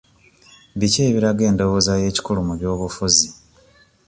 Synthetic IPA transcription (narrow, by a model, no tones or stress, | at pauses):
βiceːβiɾaɡe̞ːndo̞wozaje̞ːci̥kulumuβjo̞ːβufuzi